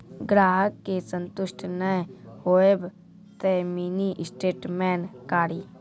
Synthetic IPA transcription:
ɡɾaːɦəkːesə̃nt̪ʊʃʈʰnəjhoːeb | t̪əmiːniʔɪsʈeːʈmɛːnkaːɾiː

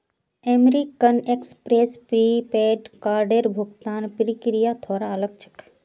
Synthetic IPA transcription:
eːmɾikənekspɾeːspɾipeːɖkaːɾɖeɾbʱʊɡt̪aːnpɾikɾijat̪ʰoːɾaələɡ̚t͡ʃʰə̥k

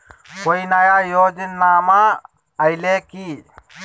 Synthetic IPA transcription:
koinajaːjoːd͡ʒnaːma | ɐjleːkiː

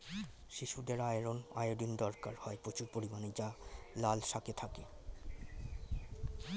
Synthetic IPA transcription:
ʃiʃud̪eɾajɾona̰joɖind̪ɔɾkaɾhɔepɾot͡ɕuɾpoɾimaned͡ʑalalʃaket̪ʰake

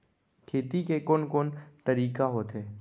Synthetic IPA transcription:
kʰeːt̪ikekoːnkoːnt̪ɐɾiːkaɦoːt̪ɦeː

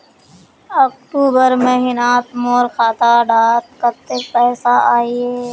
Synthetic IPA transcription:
ɐk̚ʈuːbəɾmẽɦɪnaːt̪moːɾxaːt̪aːɖaːt̪̚kət̪epɛːsaaːieː

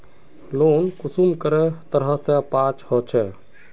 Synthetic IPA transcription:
loːnkusumkəɾɛt̪əɾɦəsɛpãt͡ʃhɔt͡ʃʰɛ

